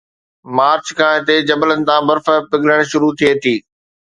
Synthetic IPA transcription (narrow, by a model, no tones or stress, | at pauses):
maːɾt͡ɕkʰãːɪt̪ed͡ʑɐbələnɪ̆t̪ãːbɐɾfəpɪɡləɽ̃ʃʊɾut̪ʰieːt̪ʰiː